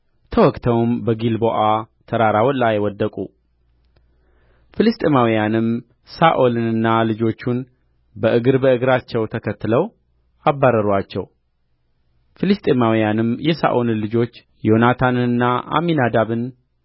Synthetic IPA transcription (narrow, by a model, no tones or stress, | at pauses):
t̪ʰəwɔkʼt̪ʰəwmbəɡilboʔat̪ʰəɾaɾawlajwɔd̪ːəkʼṵ | filɨst̪ʼemawijanɨm | saʔo̞lɨnɨnːalɨd͡ʒo̞t͡ʃːun | bəʔɨɡɨɾbəɨɡɾat͡ʃːɛwt̪ʰəkʰət̪ːləw | abːaɾəɾat͡ʃːɛ̰w | filɨst̪ʼemawijanɨmjɛsa̰ʔonɨlɨd͡ʒo̞t͡ʃː | jo̞nat̪ʰanɨnɨnːaʔa̰minad̪aβɨn